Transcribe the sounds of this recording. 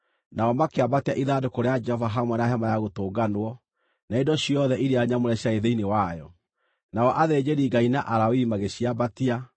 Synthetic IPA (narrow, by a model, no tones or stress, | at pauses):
naɔmakeabateaʔiðadokoɾead͡ʒɛhɔvaɦamwɛnaɦamajaɣotoːɡanwɔ | naedɔɕiɔðɛʔiɾeaɲamoɾɛɕjaeðeinewajɔ | naɔʔaðeːd͡ʑeɾiːɡainaʔaɾawiːmaɣeɕiabatia